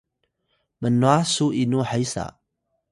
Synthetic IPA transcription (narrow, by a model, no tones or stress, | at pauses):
mənoasuʔinuħajsa̰